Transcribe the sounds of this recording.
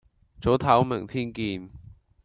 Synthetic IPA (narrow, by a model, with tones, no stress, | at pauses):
t͡so˨˥t̪ʰɐː˨˥wmɪ˨˩ŋt̪ʰiː˥nkiː˧n